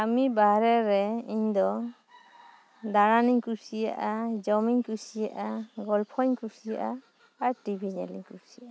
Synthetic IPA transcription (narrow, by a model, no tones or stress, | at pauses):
amibaɾɛɾɛiɲd̪ɔ | d̪aɾaniŋkusija̰ʔad͡ʒɔmiŋkusijaʔaɡɔlpʰɔɲkusija̰ʔa | aɹʈibʱiɲɛ̰liŋkusijaʔa